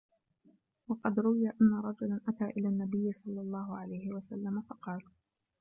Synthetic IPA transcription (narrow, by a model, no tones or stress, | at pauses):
wɑqɑd̪ɾʊwɪjaʔanːaɾˤɑd͡ʒʊlanʔat̪aːʔɪlaːnːabɪjːɪsˤɑlːɑlˤːɑːhʊʕalajhɪwasalːamafɑqɑːl